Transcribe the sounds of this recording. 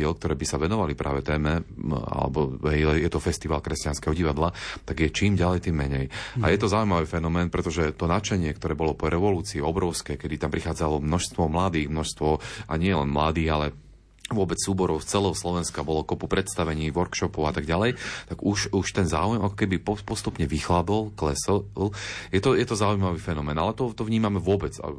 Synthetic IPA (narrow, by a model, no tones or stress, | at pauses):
ɪɛlk̚t̪ɔɾɛːbisaʋɛnɔʋalipɾʔa̰ːʋɛt̪ɛːmɛa̰lɛ̰bɔɛɛjɛt̪ɔfɛst̪iʋaːlkɾɛscanskɛɦɔɟiʋad̪lat̪aɡjɛt͡ʃiːmɟalɛjt̪iːmːɛɲɛjajɛt̪ɔzaujmaʋiːfɛnɔmɛːnpɾɛt̪ɔʒɛt̪ɔnat͡ʃɛɲɪɛkt̪ɔɾɛːbɔlɔpɔɾʔɛʋɔluːt͡siːɔbɾɔʊskɛːkɛd̪it̪ampɾixaːd͡zalɔmnɔʃst̪ʋɔmlad̪iːɣmnɔʃst̪ʋɔʔa̰ɲɪɛlɛ̰nmlad̪iːɣalɛ | ʋʊɔbɛt͡ssuːbɔɾɔʊst͡sɛlɔwslɔʋɛnskabɔlɔkɔpupɾɛt̪st̪aʋɛɲiːʋɔɾkʃɔpɔʊat̪aɡɟalɛjt̪aɡuʃuʃt̪ɛnza̰ːujɛmakɔ̥kɛbipɔpɔst̪upɲɛʋixlad̪ɔlklɛsɛljɛt̪ɔjɛt̪ɔzaujmaʋiːfɛnɔmɛːnalɛt̪ɔt̪ɔvɲiːmamɛʋʊɔbɛt͡sa̰